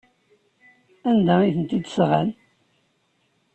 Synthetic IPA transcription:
ænd̪æiθənt̪id̪sʁæ̰n

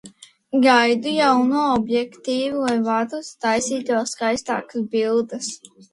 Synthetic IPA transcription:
ɡajd̪ujawnuɔɔbjɛkt̪iːvilˠajvat̪ust̪ajsiːt̪oskajst̪a̰ːkasbilˠd̪as

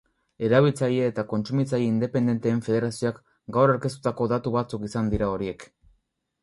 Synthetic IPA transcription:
e̞ɾaβ̞ilt͡sajeːt̪ako̞nt͡sumit͡sajeind̪e̞pe̞nd̪e̞nt̪e̞ːɱfe̞ð̞e̞ɾasioak | ɡawraɾke̞st̪u̥t̪ako̞ðat̪uβat͡sukisand̪iɾao̞ɾie̞k

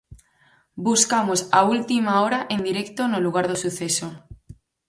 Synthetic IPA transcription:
buskamosault̪imaoɾaʔẽnd̪iɾɛkt̪onoluɣ̞aɾðosuθeso

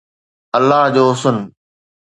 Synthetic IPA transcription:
əlːaːɦd͡ʑoːʊsʊn

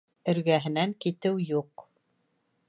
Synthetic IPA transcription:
ɘ̆ɾɡæɦɘ̆næŋkit̪ɘwjuq

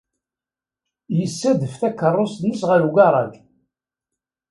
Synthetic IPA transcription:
jəsːæðəfθækːərˤːosnəsʁəɾuɡɑɾˤɑɡ

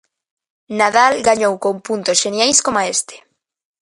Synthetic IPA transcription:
naðalɡaɲowkompunt̪osʃenjajskomaest̪e̥

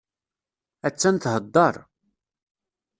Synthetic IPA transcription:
æt͡sːænt̪ɦəd̪ˤːɑɾˤ

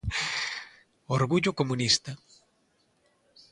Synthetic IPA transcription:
oɾɣuʎʊkomunist̪ɐ

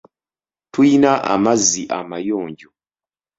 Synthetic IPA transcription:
tuinaʔa̰mazːiʔamajoːɲɟo

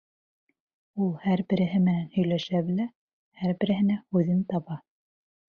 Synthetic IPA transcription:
ulˠhæɾbɘ̆ɾɘ̆ɦɘmɘ̆nænhɵ̆jlæʃæβɘ̆læ | hæɾbɘ̆ɾɘ̆ɦɘ̆næhʉðɘnt̪ɑβɑ

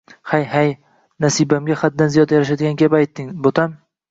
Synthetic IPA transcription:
hajhaj | nasibamɡʲaχad̪̚ːanzijɒd̪jaɾaʃ̬ad̪ɪɡʲankʲʰabajt̪ːɪŋbot̪ʰam

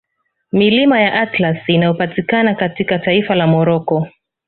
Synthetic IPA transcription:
milimajaʔatlasinajɔpatikanakatikataifalamɔɾɔkɔ

